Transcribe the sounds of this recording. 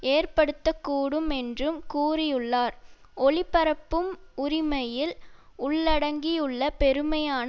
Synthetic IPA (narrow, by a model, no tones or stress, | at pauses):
eːrpɐɽɯt̪ːɐkːuːɽɯmɛndrɯmkuːrɪjɯɭːaːɾ | ɔɭɪpːɐɾɐpːɯmʊɾɪmɐjɪl | ʊɭːɐɽɐŋɡijɯɭːɐpɛɾɯmɐjaːn